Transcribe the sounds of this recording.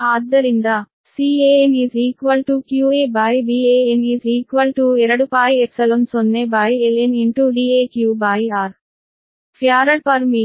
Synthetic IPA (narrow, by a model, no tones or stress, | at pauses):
aːd̪ɐɾind̪a | siːeːeniːziːkʋɐlʈukjuːeːbaːjbiːeːeniːziːkʋɐlʈuɛɾɐɽupaːjepsɐlomsonːebaːjeleniɳʈuːɖiːeːkjuːbaːjaːɾ | pʰjaːɾɐlpɐɾmi